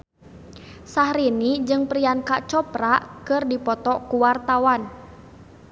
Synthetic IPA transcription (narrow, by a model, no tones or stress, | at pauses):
sahɾinid͡ʒɨŋpɾiankaʔt͡ʃɔpɾaʔkɨrdipɔt̪ɔkuwart̪awan